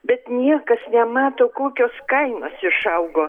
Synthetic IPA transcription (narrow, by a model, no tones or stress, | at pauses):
bʲɛt̪nʲiɛkɐsnʲɛmɑːt̪oːkoːkʲoːskɐɪnoːsɪʃɐʊɡoː